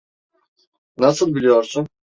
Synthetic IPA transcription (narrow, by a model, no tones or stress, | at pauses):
nasɯlˠbilʲijoɾsun